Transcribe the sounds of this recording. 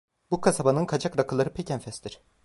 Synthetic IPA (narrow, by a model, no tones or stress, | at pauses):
bukʰasabanɯnkʰad͡ʒakɾakʰɯlˠaɾɯpʰecʰɛnfɛst̪iɾ̥